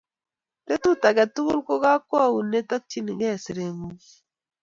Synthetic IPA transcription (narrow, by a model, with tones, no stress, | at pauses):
te˦tu˦ta˨ɡa˨tu˦ɡu˦lko˦ka˦kːɔ˦˨wu˨ne˦tɔ˦k̚t͡ʃi˦ni˨ɡɛ˦˨si˨ɾe˨mu˦